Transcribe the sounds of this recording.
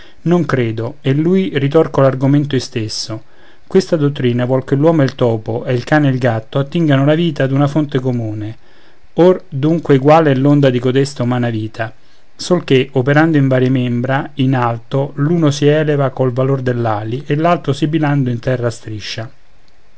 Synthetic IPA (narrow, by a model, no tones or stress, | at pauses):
noŋkɾeːd̪oelːujrit̪ɔrkolarɡoment̪̬oist̪esːo | kwest̪ad̪ot̪ːɾiːnavwɔlkelːwɔːmoelt̪ɔːpoʔɛilkaːneːlɡat̪ːoat̪ːiŋɡanolaviːt̪ad̪unafont̪ekomuːne | ord̪uŋkweɡwaːlɛlːond̪ad̪ikod̪ɛst̪aumaːnaviːt̪ʰa | solkeopeɾand̪oiɱvaːɾjemembɾainalt̪oluːnosiɛːlevakolvalord̪elːaːliʔelːalt̪ɾosibiland̪oint̪ɛrːast̪ɾiʃːa